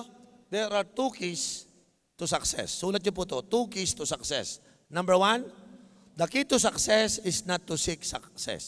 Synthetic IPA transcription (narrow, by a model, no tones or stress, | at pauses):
d̪ɛɹaɹt̪ukis | t̪usɐksɛ̰sːuːlɐt̪̚ɲop̬ut̪ot̪ukist̪usɐksɛ̰s | nɐ̃mbəɹwãn | d̪ɐkit̪us̬ɐksɛsɪsnat̪ːʊsiksaksɛ̰s